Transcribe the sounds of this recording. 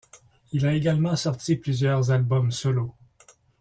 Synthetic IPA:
ilaeɡalmɑ̃sɔʁt̪iplyzjœʁzalbɔmsɔlo

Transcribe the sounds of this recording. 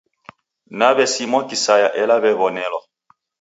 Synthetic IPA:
naβɛsimɔkisajaʔɛlaβɛβɔnɛlɔ

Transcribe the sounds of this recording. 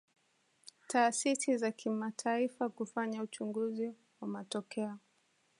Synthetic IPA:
taːsisizakʰimatʰaifakufaɲaut͡ʃuŋɡuzi | wamatɔkɛɔ

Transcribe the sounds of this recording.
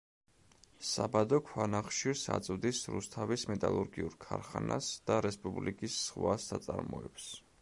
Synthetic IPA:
sabad̪ɔkʰwanaχʃiɾsa̰t̪sʼvd̪isɾṵst̪ʰavismɛt̪ʼalˠuɾɡiuɾkʰaɾχanʔasd̪̥aɾɛspʼublikʼisːχwasːat̪sʼaɾmɔ̰ɛps

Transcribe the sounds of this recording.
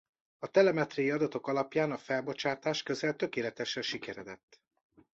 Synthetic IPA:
ɒt̪ɛlɛmɛt̪rɛjiɒd̪ɒt̪o̞kɒlɒpjaːnɒfɛlbo̞t͡ʃaːt̪aːʃkø̞zɛlt̪ø̞keːlɛt̪ɛʃɛʃikɛɾɛd̪ɛt̪ː

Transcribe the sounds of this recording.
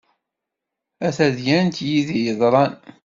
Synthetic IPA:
æθæðjænt̪jiðijəðˤɾˤɑn

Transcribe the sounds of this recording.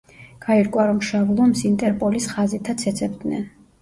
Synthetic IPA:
ɡ̥aiɾkʼwaɾɔmʃavlˠɔmsint̪ʼɛɾpʼɔlisχazit̪ʰat̪sʰɛt̪sʰʼɛbd̪nɛ̰n

